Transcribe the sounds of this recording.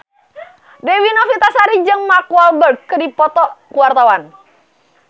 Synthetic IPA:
dewinɔfit̪asaɾid͡ʒɨŋmakualbərɡːədipɔt̪ɔkuwart̪awan

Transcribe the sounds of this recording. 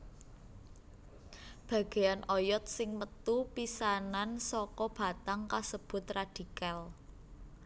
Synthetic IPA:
b̥a̤ɡ̥e̤janʔɔjɔt̪̚sɪŋmət̪upisanansɔkɔb̥a̤t̪aŋkasəb̥ʊ̤t̪rad̪̥i̤kal

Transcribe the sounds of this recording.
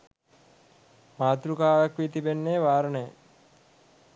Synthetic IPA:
maːt̪ɾukaːjakʋit̪ibenːeːʋaːɾənəjə

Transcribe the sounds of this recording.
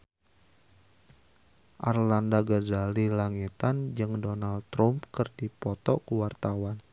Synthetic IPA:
ʔarlandaɡazalilaŋit̪and͡ʒɨŋdɔnald̪t̪ɾɔmpkɨrdipɔt̪ɔkuwart̪awan

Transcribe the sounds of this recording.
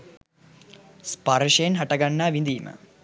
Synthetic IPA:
spaɾʂɐjenɦaʈɐɡanːaːʋind̪iːmə̰

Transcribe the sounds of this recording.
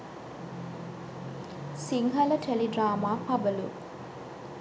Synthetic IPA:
siŋɦɐlɐʈʰelidraːmaːpʰɐbɐlṵ

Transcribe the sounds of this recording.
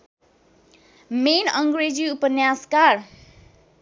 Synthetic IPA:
menʌŋɡɾed͡ziupʌnjaskar

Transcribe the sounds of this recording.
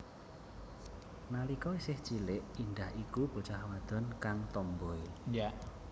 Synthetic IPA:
nalikɔisɪht͡ʃilɪʔind̪ahikub̥o̤t͡ʃahwad̪̥ɔ̤nkaŋt̪ɔmbɔia

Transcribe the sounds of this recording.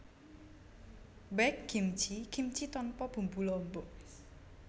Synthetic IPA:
bɛk̚ɡ̥imt͡ʃiɡ̥imt͡ʃit̪ɔnpɔb̥ṳmbulɔmbɔʔ

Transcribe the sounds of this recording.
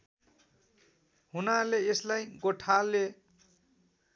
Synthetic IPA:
hunaleeslajɡoʈʰale

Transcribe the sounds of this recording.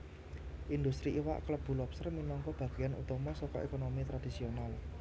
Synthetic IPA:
ʔind̪ust̪ɾiʔiwa̰ʔkləb̥ṳlɔpsərminɔŋkɔb̥ä̤ɡ̥ijanṵt̪ɔmɔsɔkɔ̰ʔekonomit̪ɾad̥isional

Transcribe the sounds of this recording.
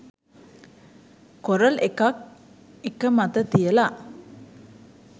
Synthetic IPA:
koɾəlekak̚ | ekəmat̪ət̪ijəla

